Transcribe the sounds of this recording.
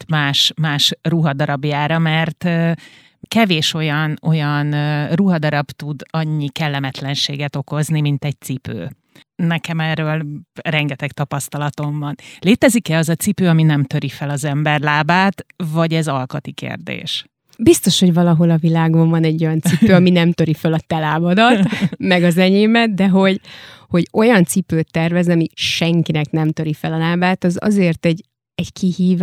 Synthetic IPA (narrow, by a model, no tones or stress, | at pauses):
t̪maːʃmaːʃruɦɒd̪ɒɾɒbjaːɾɒmɛrt̪ː | kɛveːʃo̞jɒno̞jɒnruɦɒd̪ɒɾɒbt̪ud̪ɒɲːikɛlːɛmɛt̪lɛnʃḛːɡɛt̪o̞ko̞znimint̪ɛc̚t̪sipø̰ː | nɛkɛmɛrːøːlrɛŋɡɛt̪ɛkt̪ɒpɒst̪ɒlɒt̪o̞mbɒnleːt̪ɛzikɛɒzɒt̪sipøːɒminɛmt̪øɾifɛlɒzɛmbɛrlaːbaːt̪vɒɟɛzɒlkɒt̪ikḛrd̪ḛːʃ | bist̪o̞ʃho̞ɟvɒlɒɦo̞lɒvilaːɡoɱvɒnɛɟːo̞jɒnt̪sipøːɒminɛmt̪øɾifɛlɒt̪ɛlaːbɒd̪ɒt̪mɛɡɒzɛɲeːmɛt̪̚d̪ɛɦo̞ɟho̞ɟo̞jɒnt̪sipøːt̪ːɛrvɛzɒmiʃɛŋkinɛknɛmt̪ø̞ɾifɛlɒlaːbaːt̪ɒzɒ̰zeːrt̪ɛɟ | ɛɟkihiːv